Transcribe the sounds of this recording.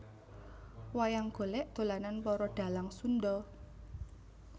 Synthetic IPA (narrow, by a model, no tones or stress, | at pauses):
wajaŋɡ̥o̤lɛʔd̪̥o̤lananpɔɾɔɖ̪̥a̤laŋsund̪ɔ